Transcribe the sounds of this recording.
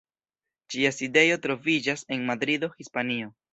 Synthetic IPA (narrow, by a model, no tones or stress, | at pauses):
d͡ʒiaside̞jo̞tɾo̞vid͡ʒase̞nmadɾido̞hispanio̞